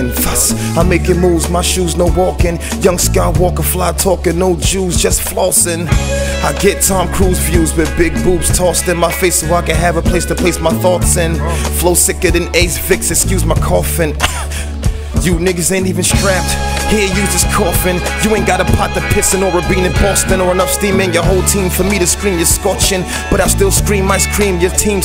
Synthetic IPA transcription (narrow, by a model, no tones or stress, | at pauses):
nfʌs | aɪmeɪkɨ̃ŋmuzmaɪʃuznoʊwɔkɨ̃n | jʌ̃ŋskaɪwɔkəflaɪtʰɔkɨ̃nːoʊd͡ʒuzd͡ʒʌstflɔsɪ̃n | aɪɡɛtʰɑ̃mkʰɹ̥uzvjʉzwɨbɪɡ̚bupstʰɔstɨ̃nmaɪfeɪsəwaaɪkɨ̃ɦɨvəpʰl̥eɪstʰɨpʰl̥eɪsmaɪθɔtsɨ̃nfloʊsɪkɨɾɨ̃neɪsfɪksɨkskjʉzmaɪkʰɔfɨ̃n | jɨnɪɡɨzɛ̃ntivɨ̃nstɹ̥æp̚t̚ | hiɹjɨd͡ʒʌskʰɔfɨ̃njɨɛ̃ɪ̃nɡ̥ɑɾəpʰɑt̪̚ðɨpʰɪtsɨ̃noʊvə˞bĩnɨ̃nb̥ɔstɨ̃nə˞ɨnʌfstĩmɪ̃njə˞ɦoʊlˠtʰĩɱfə˞miɾɨskɹĩmjəskɔt͡ʃɨ̃n | b̥ʌɾaɪvstɪlˠskɹĩmːaɪskɹĩmjə˞tʰĩm